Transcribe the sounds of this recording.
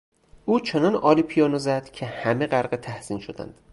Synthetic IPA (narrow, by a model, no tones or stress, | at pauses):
ʔuːt͡ʃʰonɒnɒːliːpʰijɒːnozæd̪̥cʰe̞hæme̞ɣæɾɢet̪ʰæhz̥iːnʃod̪æ̰nd̪̥